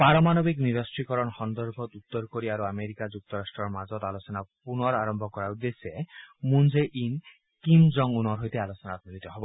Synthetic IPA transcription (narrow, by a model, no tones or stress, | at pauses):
paɾɔmanobikniɾɔsʈɾikɔɾɔnhɔnd̪ɔɾbʱɔt̪ut̪ːɔɾkoɾiaɾuameɾikad͡ʒuk̚t̪ɔɾasʈɾɔɾmad͡ʒɔd̪alosɔnapunɔɾaɾɔmbʱɔkɔɾaud̪ːesemund͡ʒeʔin | kimd͡ʒɔŋunɔɾɦojt̪ealosɔnaat̪̚mɔd̪it̪ɔɦebɔ